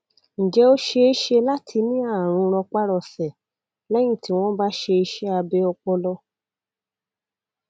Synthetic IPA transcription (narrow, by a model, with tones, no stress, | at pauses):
ñ̩˨d͡ʒɛ˨˦o˦ʃe˧e˦ʃe˦la˦tʰi˧nĩ˦a˦˨ɾ̃ũ˧ɾ̃ɔ̃˧k͡pa˦ɾɔ˧˨fɛ˨ | lɛ˦j̃ĩ˦˨ti˨˦w̃ɔ̃˦ba˦ʃe˧i˧ʃe˦a˧bɛ˦ɔ˧k͡pɔ˧lɔ˧˦